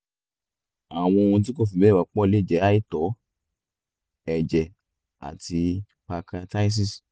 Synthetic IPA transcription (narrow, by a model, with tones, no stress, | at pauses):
a˨w̃ɔ̃˧o˧ũ˧t̬i˦ko˦˨fi˨bɛ˦˨a˨˦k͡pɔ˦˧le˦˨d͡ʒɛ˨˦a˦i˦˨tɔ˨˦ | ɛ˨d͡ʒɛ˨ | a̰˨ti˧ | pa˧ka˧ta˦i˦s̬i˦˨s